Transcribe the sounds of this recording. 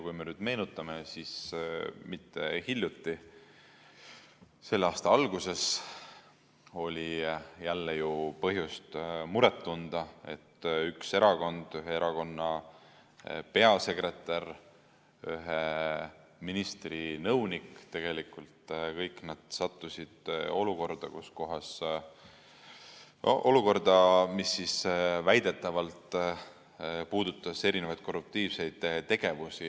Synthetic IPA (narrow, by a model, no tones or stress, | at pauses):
kujme̞nyːd̪̥me̞ːnut̪ːˑɑmesis | mit̪ːe̞hilʲjut̪ːˑi | se̞lːeɑːst̪ɑɑlɡ̥use̞s | o̞lʲijælːejupɤɦjust̪muɾet̪ːund̪̥ɑe̞̰t̪ːykse̞ɾɑko̞nd̪̥yɦeeɾɑko̞nːɑ | pe̞ɑse̞kre̞t̪ːˑɑr | yɦe | minist̪rinɤwnikt̪e̞ɡ̥e̞likult̪kɤjknɑd̪̥sɑt̪ːusid̪̥o̞luko̞rd̪̥ɑkusko̞ɦɑs | ʔoluko̞rd̪ɑmisːisvæjd̪̥e̞t̪ːˑɑvɑlt̪ | puːd̪̥ut̪ːˑɑse̞ɾinevɑjd̪̥̚ko̞rup̚t̪iːvse̞jd̪̥t̪ːe̞ɡ̥e̞vusi